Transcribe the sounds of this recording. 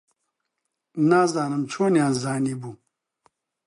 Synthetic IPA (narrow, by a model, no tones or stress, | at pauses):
naːzaːnəmt͡ɕʰoːnjaːnzaːnibu